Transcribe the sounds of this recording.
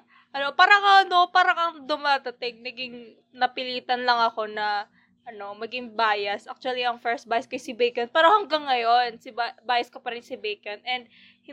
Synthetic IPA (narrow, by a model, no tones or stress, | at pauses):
ʔɐnoʔpaːɾɐŋɐʔɐno̞paːɾɐŋɐŋd̪ʊmaːd̪ɐt̪ɛɡ̚nɐɡɪŋ | nɐpɪliːt̪ɐnlɐŋɐko̞nɐ | ʔɐno̞mɐɡɪŋbaːjɐsʔa̰k̚t͡ʃuɐliɐŋfɛɹst̪̚baːjɐskɐjsɪbɛjkɐnpɛːɾohɐŋɡaŋːɐjo̞nsɪbabaːjɐskɐpɐɾɪnsɪbɛjkɐnʔɛnd̪̚ | hɪ